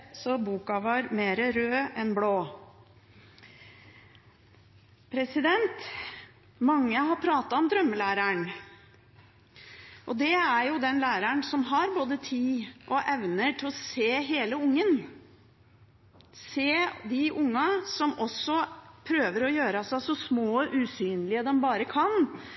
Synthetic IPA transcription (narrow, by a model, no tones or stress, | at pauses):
sɔbuːkɑʋɑɾmeːɾəɾøːɛnbloː | pʰɾɛsɪd̪ɛnt̪ | mɑŋːəɦɑɾpʰɾɑːt̪ɑɔmd̪ɾœmːəlæːɾæɳ | ʔɔd̪ɛæɾjʊd̪ɛnlæːɾəɳsɔmɦɑɾboːd̪ət̪ʰiːʔɔʔɛʋnəʈʰɪlɔseːɦeːləʊŋːən | seːd̪ɪʔʊŋːɑsɔmɔsːɔpʰɾøːʋəɾɔjøːɾɑsæsɔsmoːʔʉsyːnlɪəd̪ɛmbɑːɾəkʰɑn